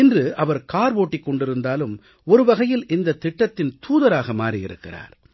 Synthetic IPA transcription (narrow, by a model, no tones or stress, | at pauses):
ɪndrɯɐʋɐɾkaːɾʋoːʈːɪkːɔɳɖɪɾɯnd̪aːlɯm | ɔɾɯʋɐɣɐjɪlʔɪnd̪ɐt̪ːɪʈːɐt̪ːɪnt̪uːðɐɾaːɣɐmaːrɪjɪ̰ɾɯ̰kːɪ̰ra̰ːɾ